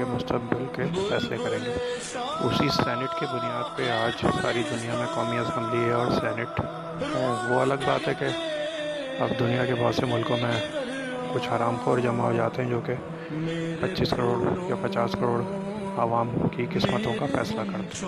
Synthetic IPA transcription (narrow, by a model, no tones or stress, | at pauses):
emʊst̪əq̚bɪlkefɛːslekɐɾẽːɡe | ʊ̰sisɛːnɪʈked̪ʊnijaːd̪peaːd͡ʒsa̰ːɾid̪ʊnijamẽkɔːmiɐsɛ̃mbliɔːɾsɛːnɪʈ | ɦɛʋoɐləɡba̰ːt̪ɦɛke | a̰pd̪ʊnijakebʱɔːt̪semʊlkõmẽ | kʊt͡ʃʰaːɾaːmfoɾd͡ʒɐmaɦod͡ʒaːt̪eɦɛ̃d͡ʒoːke | pɐtːʃiːskɐɾoːɽjapɐt͡ʃaːskəɾoːɽ | aːʋaːmkikɪsmət̪õkafɛ̰ːslakɐɾt̪ɛ